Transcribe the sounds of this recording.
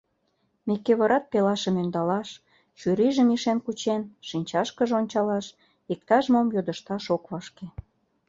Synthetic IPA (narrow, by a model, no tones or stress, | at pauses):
mekːeβɑɾɑt̪̚pelɑʃə̆mønd̪ɑlɑʃ | ʃyɾiʒə̆miʃenkut͡ɕenʃinʲt͡ɕɑʃkəʒeonʲt͡ɕɑlɑʃ | ik̚t̪ɑʒmomjod̪ə̆ʃt̪ɑʃokβɑʃke